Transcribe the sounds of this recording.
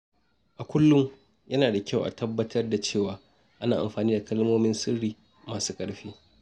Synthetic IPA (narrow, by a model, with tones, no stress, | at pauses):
ʔa˨kʷʊ˦lːʊ˦ŋ | jɐ˦naː˨da˨kʲa˦˨wʔa̰˨tʰɐ˦bːɐ˦tʰɐ˦rda˨t͡ʃeː˦˨waː˨ | ʔa˦naː˨ʔa̰˨mɸaː˨niː˦da˨kɐ˦lmoː˦mɪ˦nsɪ˦ɽiː˨ | maː˨su̥ː˦kʼɐ˦ɽɸiː˦